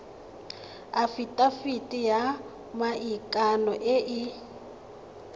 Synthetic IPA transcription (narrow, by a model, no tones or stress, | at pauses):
afitʼafitʼija | maʔikʼanɔʔɪʔɪ